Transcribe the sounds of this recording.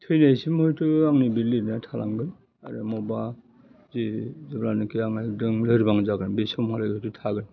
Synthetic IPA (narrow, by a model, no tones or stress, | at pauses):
tʰɯjnasimhɔjtʰɯaŋnibiɾliɾnatʰala̰ŋɡɯn | a̰ɾɯ̰mɔba | zizablanɯkeaŋnajdɯŋlɯɾibaŋzaɡɯnbesɔmhalaɡtɯtʰaɡɯn